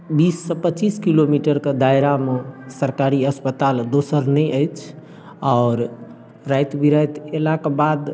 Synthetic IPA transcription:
bisːəpəːt͡ʃiskilomiʈəɾked̪ajɾamesəɾkaɾiəspət̪ald̪osəɾnɛjʔəjt͡ʃʰ | ɔːɾ | ɾajt̪biɾəjt̪elakebad̪

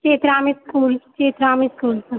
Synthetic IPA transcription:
keːt̪ɾaːmiskuːlkeːt̪ɾaːmiskuːlpɐɾ

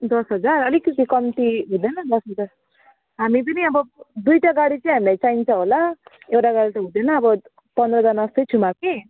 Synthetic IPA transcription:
d̪ʌsɦʌd͡zarʌlikʌt̪ikʌmt̪iɦũd̪ʌnʌd̪ʌsɦʌd͡zar | ɦamip̬ʌniʌbʌd̪ujʈaɡaɽit͡sʌĩɦamilajt͡saint͡sʰʌ̃ɦola | ewʈaɡaɽit̪ʌɦũd̪ʌnʌːbʌ | pʌnd̪rʌd͡zʌrnasʌjt͡sʰumake

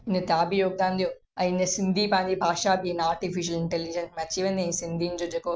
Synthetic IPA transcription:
inɐt̪jaːbijoːɡ̚d̪aːnd̪ijo | ɐjinɐsind̪ʱiːpaːnd̪ibʱaːʃaːbinaːɾʈifiʃ̬ɐliɳʈelːid͡ʒɐnsmɐt͡ʃːiʋɐnd̪ensind̪ʱiːɲd͡ʒoːd͡ʒekoː

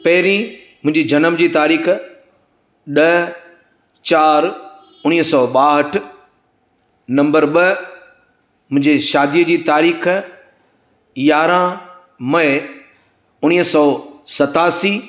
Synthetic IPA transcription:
pɐɦɪɾĩ | mʊ̃ɦɪ̃ɲd͡ʑid͡ʑɐnəmd͡ʑiːt̪aːɾiːx | ɗɐ | t͡ɕaːɾ | ʊɽ̃iːsɔːɓaːɦəʈʰ | nɐ̃mbəɾɓə | mʊ̃ɦɪ̃ɲd͡ʑeʃaːd̪ijəd͡ʑiːt̪aːɾiːx | jaːɾã | mɐɪ | ʊɽ̃iːsɔːsɐt̪aːsiː

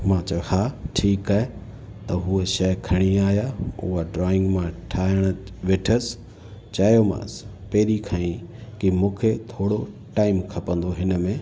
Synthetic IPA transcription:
mãːt͡ɕɐhaːʈʰiːkaːɦe | t̪ɐɦuːeʃɐkʰɐɽ̃iaːɦjaʊ̰ɦaɖɾɔːɪ̃ŋɡmãʈʰaːəɽ̃̆ʋɪʈʰəsɪ̥ | t͡ɕaːjomã̰ːs | peɦɪɾikʰaĩkimũːkʰet̪ʰoːɽo | ʈaːɪmkʰɐpə̃n̆d̪oɦɪnə̆mẽː

